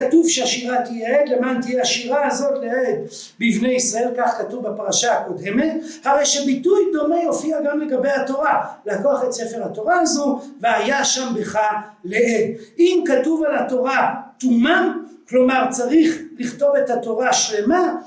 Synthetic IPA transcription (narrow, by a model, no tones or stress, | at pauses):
atuvʃeaʃiʁat̪ijeet̪lemaːnt̪ijehaʃiʁahazo̞tleed | bivne̞jisʁae̞lkaχkatuvbapaʁaʃahako̞d̪e̞me̞t | haʁejʃebitujd̪o̞mejo̞fiaɡamleɡabe̞jhat̪o̞ʁalakoaχetsefe̞ʁhato̞ʁaazuveajaʃambeχaleed̚imkatuvalato̞ʁat̪umaklo̞maʁt͡saʁiχliχto̞ve̞t̪hat̪o̞ʁaʃle̞ma